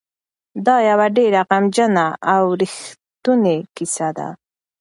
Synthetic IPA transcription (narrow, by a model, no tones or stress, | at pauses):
d̪ɑjawaɖeɾaqamd͡ʒanaawɾɪxt̪ʊnekɪsad̪a̰